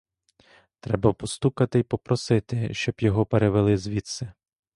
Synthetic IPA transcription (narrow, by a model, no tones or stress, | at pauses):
t̪ɾɛbɐpɔst̪ukɐt̪ɪjpɔpɾɔsɪt̪ɪʃt͡ʃɔbjɔɦɔpeɾeʋelˠɪzʋʲit̪sɛ